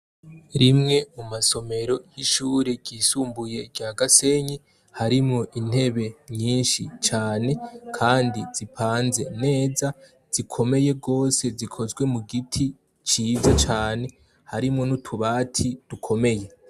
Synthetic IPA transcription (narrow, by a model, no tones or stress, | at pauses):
ɾimŋe̞mumaso̞me̞ɾo̞jiʃuːɾiɡiːsuːmbuje̞ɟ̥aɡase̞ɲi | haɾimŋo̞ʔin̥he̞βe̞ɲiːnʃit͡ʃaːne̞kʰaːndiz̥ipʰaːnze̞ne̞ːza | z̥ikʰo̞me̞je̞ɡo̞ːse̞zikʰo̞zɡwe̞muɡitʰi | t͡ʃiːzat͡ʃaːne̞ | haɾimŋo̞nutʰuβaːtʰid̥ukʰo̞me̞je̞